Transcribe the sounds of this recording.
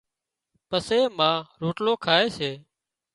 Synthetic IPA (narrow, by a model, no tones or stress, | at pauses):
pəseːmãːɾuːʈloːkʰaːeːseː